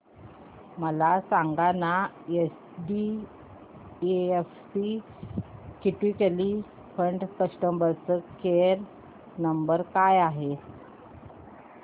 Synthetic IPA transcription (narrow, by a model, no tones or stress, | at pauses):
məlasaŋɡana | es | ɖi | eefsi | kiʈikeli | fʰəɳɖkəsʈəmbəɾt͡səkeɾ | nəmbəɾkajaɦe